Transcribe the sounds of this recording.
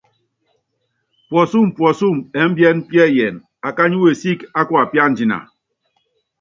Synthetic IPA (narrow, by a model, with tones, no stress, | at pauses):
pwɔ˨su˦˨m˨pwɔ˨su˦˨mɛ˨˦m̩˦bjɛ˦nm̩˦pjɛ˦˨jɛ˨n | a˨ka˦ɲu˦we˨si˦ka˦kwa˦˨pja˦n̩˦d͡ʒi˨na̰˨